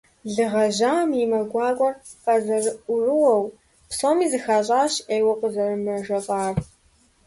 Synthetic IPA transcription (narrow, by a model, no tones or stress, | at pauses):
ɮɨʁɐʒaːmimɐɡʷɑːkʷʼɔr | qɐzɐrɨʔʷʊrɨwɔw | psoːmiːzɨxaɕʼaːɕeːwɐqʼəzɐrɨmɐʒɐqʼaːr